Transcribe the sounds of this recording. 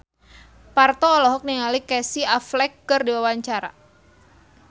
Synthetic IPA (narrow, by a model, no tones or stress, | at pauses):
part̪ɔːlɔɦɔk̚niŋalikɛsiaflɛkːɨrdiwawaɲt͡ʃaɾa̰